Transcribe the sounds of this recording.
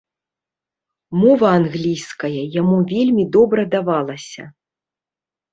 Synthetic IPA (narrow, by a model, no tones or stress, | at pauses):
mɔvɐanɣlʲijskɐjɐjamuvʲelʲmʲid̪ɔbɾɐd̪avalˠɐsʲɐ̰